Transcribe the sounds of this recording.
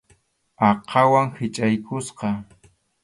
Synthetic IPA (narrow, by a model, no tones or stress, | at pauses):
ɑqʰɑwaŋhɪt͡ʃʼajkʊsqɑ